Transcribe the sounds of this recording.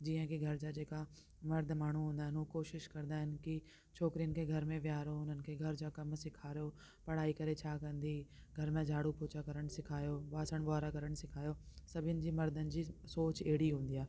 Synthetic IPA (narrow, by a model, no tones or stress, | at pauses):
d͡ʑiːə̃kiɡʱɐɾd͡ʑad͡ʑeːka | mɐɾd̪ʱmaːɳ̤uɦũːn̆d̪aːɦɪnɦukoːʃɪʃkɐɾnd̪aːɦɪn̆kɪ | t͡ɕʰoːkɾijənɪ̆kʰeːɡʱɐɾmẽʋjaːɾoʊn̤ənɪ̆kʰeːɡʱɐɾd͡ʑoːkɐmsɪkʰaːɾijo | pɐɽ̤aːikɐɾet͡ɕʰaːkɐ̃nd̪iː | ɡʱɐɾmẽd͡ʑʱaːɽupʰoːt͡ɕakɐɾəɽ̃sɪkʰaːjoʋaːsəɽ̃baːɾakɐɾəɽ̃sɪkʰaːjosɐbʱɪənɪ̆d͡ʑiːmɐɾd̪ʱənɪ̆d͡ʑiːsoːt͡ɕeːɽiɦũːn̆d̪iaːɦ